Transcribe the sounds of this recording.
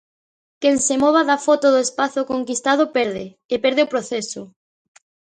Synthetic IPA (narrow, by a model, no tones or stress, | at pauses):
keŋsemɔβ̞aðafɔt̪oðoespaθʊkoŋkist̪að̞ʊpɛɾðeːpɛɾð̞eopɾoθesʊ